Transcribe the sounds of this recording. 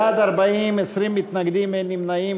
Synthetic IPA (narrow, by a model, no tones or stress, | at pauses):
ad̪ɐɾbɐĩːmesɾimit̪nɐɡd̪imenimnɐi